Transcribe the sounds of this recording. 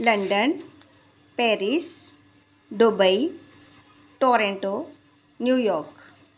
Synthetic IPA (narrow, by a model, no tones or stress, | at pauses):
ləɳɖən | pɛɾis | ɖobəi | ʈoɾeɳʈo | njuːjɔːɾk